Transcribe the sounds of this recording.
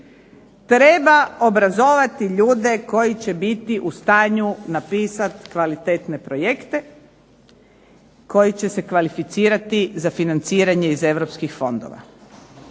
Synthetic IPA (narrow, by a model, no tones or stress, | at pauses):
t̪ɾe̞ːbao̞bɾazoʋat̪iʎuːd̪e̞ko̞jit͡ɕe̞bit̪iʔust̪aːɲunapiːsat̪kʋalit̪eːt̪ne̞pɾo̞je̞kt̪e̞ | ko̞jit͡ɕe̞se̞kʋalifit̪siːɾat̪izafinant̪siːɾaɲe̞ize̞ʋɾo̞pskixfo̞nd̪o̰ʋa̰